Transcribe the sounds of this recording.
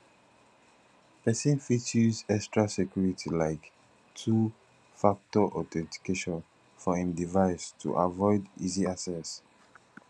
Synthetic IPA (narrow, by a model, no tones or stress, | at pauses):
pɛsĩnfit͡ʃuzɛkstɹasɛkjuɹitʰilaɪk | tʰu | fak̚tɔʔɔtɛ̃nti̥keʃɔ̃n | fɔĩmdivaɪstʰṵʔa̰vɔɪdiziasɛs